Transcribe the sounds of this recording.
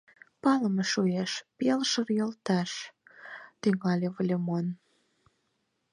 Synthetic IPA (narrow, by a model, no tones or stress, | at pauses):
pɑləmeʃueʃpelʃərjəlt̪ɑʃ | t̪yŋɑlʲeβəlʲemon